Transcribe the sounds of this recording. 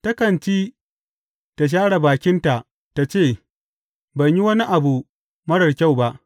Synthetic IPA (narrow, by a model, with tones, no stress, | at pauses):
tɐ˦kɐ˨nt͡ʃiː˦ | ta˨ʃ̬aː˦ɽa˨baː˨kʲɪ˦nta˨ʔ | ta˨t͡ʃeː˦˨ | bɐ˨ɲji˦wɐ˦ni˦ʔa˨bu˨ | mɐ˦ɽɐ˨rkʲa˦˨wba˦ʔ